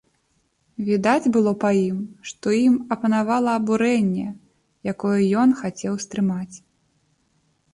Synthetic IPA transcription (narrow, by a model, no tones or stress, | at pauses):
vʲid̪ad͡zʲbɨlˠɔpɐjimʂt̪ɔjimɐpɐnavalˠɐːbuɾɛnʲːɛ | jakɔjɛjɔnxat͡sʲɛwst̪ɾɨmat͡sʲ